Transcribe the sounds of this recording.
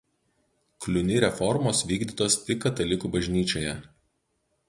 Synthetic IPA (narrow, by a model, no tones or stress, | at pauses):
klʲʊnʲɪɾʲɛfɔɾmoːsʋʲiːɡd̪ʲit̪oːsʲɪkːɐt̪ɐlʲɪkubɐʒʲnʲiːt͡ʃʲoːjɛ